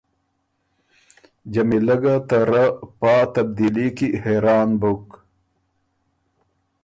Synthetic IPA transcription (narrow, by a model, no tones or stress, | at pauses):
d͡ʑɐmilɐɡat̪aɾapaːt̪ɐb̚d̪ilikiheɾaːnbuk